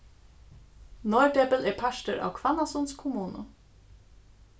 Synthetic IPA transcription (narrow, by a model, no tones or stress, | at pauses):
nɔʏɖɛbəlɛːpʰaʃʈəʔa̰ːwkʰʋanasɔnskʰʊmuːnə̰